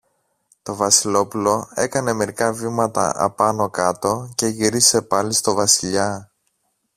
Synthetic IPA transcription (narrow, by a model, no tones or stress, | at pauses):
t̪o̞vɐsilo̞pulo̞e̞kɐne̞me̞ɾikɐvimɐt̪ɐ̰ʔɐ̰pɐno̞kɐt̪o̞ce̞ʝiɾise̞pɐlist̪o̞vɐsiʎɐ